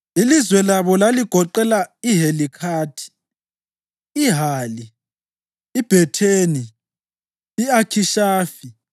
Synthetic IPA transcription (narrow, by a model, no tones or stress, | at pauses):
ilizwɛlaβɔlaliɡ̥ʱɔǃɛlaiɦelikʰaːtʰi̥ | ɦaːliː | b̥ʱɛtʰeni | akʰiʃaːfi